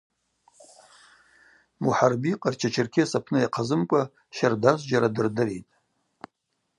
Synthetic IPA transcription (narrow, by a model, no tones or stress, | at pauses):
muħarbiqʼart͡ʃʰat͡ʃʰɪrkʲʰisapʰnɨjaqʰazɨmkʷʼa | ʃardaʒʷd͡ʒaɾadɨrdɨɾitʼ